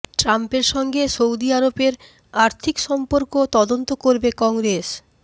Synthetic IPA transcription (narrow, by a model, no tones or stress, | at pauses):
ʈɾampeɾʃɔŋɡesowd̪iaɾopeɾ | aɾt̪ʰikʃɔmpoɾkot̪ɔd̪ont̪okoɾbekɔŋɡɾes